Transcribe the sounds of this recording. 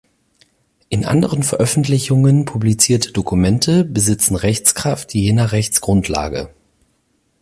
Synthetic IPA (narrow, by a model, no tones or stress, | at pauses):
ʔɪnʔa̰ndəʁənfɛɐʔœfn̩tlɪçʊŋənpʰublit͡siːɐtʰə̥dokumɛntʰəbəzɪt͡sn̩ʁɛçt͡skʁ̥aftjeːnɐʁɛçt͡sɡ̥ʁʊntʰla̰ːɡə̰